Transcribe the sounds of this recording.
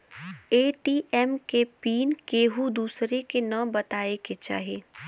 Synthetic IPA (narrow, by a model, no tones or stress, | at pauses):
eːʈiːʔɛmkepiːnkeːɦud̪uːsɾekenəbɐt̪aːeket͡ʃa̰ːɦeː